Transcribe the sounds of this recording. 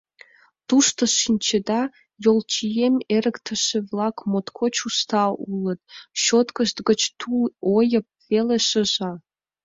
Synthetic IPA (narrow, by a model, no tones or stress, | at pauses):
t̪uʃt̪ŏʃinʲt͡ɕed̪ɑ | jolˠt͡ɕijemeɾə̆kt̪ʰə̆ʃĕvlˠɑkmot̪kʰot͡ɕust̪ɑulət̪̚ɕot̪kə̆ʃt̪ɡə̆t͡ɕt̪ʰuojə̆p̚veleʃə̆ʒɑ